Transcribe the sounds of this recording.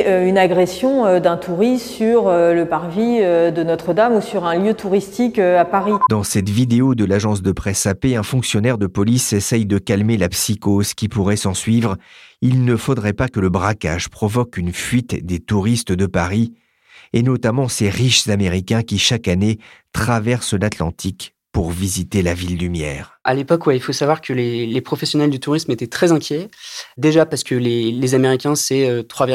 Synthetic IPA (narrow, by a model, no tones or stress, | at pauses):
øynaɡʁesjɔ̃ød̪ɛ̃t̪ʰuʁisyʁøləpaʁviød̪ənɔt̪χəd̪amusyʁɛ̃ljøt̪uʁist̪ikøapaʁid̪ɑ̃sɛt̪vid̪eod̪əlaʒɑ̃s̬d̪əpχɛsapeɛ̃fɔ̃ksjɔnɛʁd̪əpɔlisesɛjd̪əkalmelapsikoz̥kʲipuʁɛsɑ̃sɥivʁilnəfod̪ʁɛpakələbʁaka̰ʒpχɔvɔkynfɥit̪d̪et̪uʁist̪d̪əpaʁi | enɔt̪amɑ̃seʁiʃz̥ameʁikʲɛ̃kʲiʃakanet̪χavɛʁslat̪lɑ̃t̪ʰik | puʁvizit̪elavild̪ymjɛ̰ːʁalepɔkwɛilfosavwaʁkʰəlelepχɔfɛsjɔnɛld̪yt̪uʁismet̪ɛt̪χɛzɛ̃kʲjɛd̪eʒapaʁsə̥kəlelezameʁikʲɛ̃sɛøt̪χwav